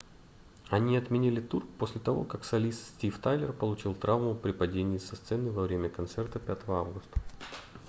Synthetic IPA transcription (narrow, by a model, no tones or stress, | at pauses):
ɐnʲiɐt̪mʲɪnʲilʲɪt̪urkposʲlʲɪt̪ɐvo̞̰kaksɐlʲist̪sʲtʲift̪ajlʲɪ̰rpəlˠʊt͡ɕilˠt̪ɾavmʊpɾʲɪpɐdʲenʲɪːsɐst̪sɛnɨvɐvɾʲemʲəkɐnt̪sɛrt̪əpʲat̪əvəavɡʊst̪ə̥